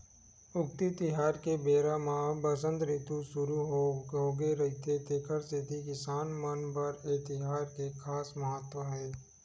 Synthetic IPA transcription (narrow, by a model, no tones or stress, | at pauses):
ʊk̚t̪it̪ɪɦaːɾkebeːɾamãbəsə̃nt̪ɾɪt̪usʊɾuɦoːɡeɾɐɦit̪ʰet̪eːkʰəɾset̪ikɪsaːnmənpəɾeːt̪ɪɦaːɾkekʰaːsmɐɦət̪wəɦɛː